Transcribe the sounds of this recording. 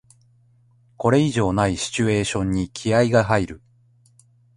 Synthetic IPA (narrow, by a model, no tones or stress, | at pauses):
ko̞ɾe̞iʑo̞ːnaiɕi̥t͡ɕɨe̞ːɕõ̞ɲ̟ːikʲʰiaiɡaɦaiɾɯ̟